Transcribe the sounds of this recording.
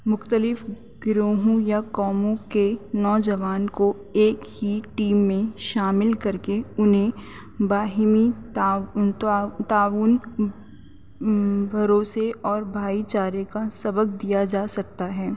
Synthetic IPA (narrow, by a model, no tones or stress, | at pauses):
mʊxt̪əlɪf | ɡɾoːɦõjakɔːmõkenɔːd͡ʒɐʋaːnko | eːkhiʈiːmːẽʃaːmɪlkɐɾkeʊnɦẽ | baːɦmi | t̪aːʋuːn | bʱɐɾoːseʔɔːɾbʱaːit͡ʃaːɾekasɐbək̚d̪ijad͡ʒaːsɐk̚t̪aɦɛː